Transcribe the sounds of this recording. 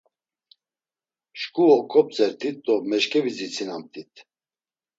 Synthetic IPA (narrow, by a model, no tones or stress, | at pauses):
ʃkʼuɔkʼɔp̚t͡sʼɛɾt̪ʰit̪̚d̪ɔmɛʃkʼɛvid͡zit͡sʰinamt̪ʰʼit̪ʰ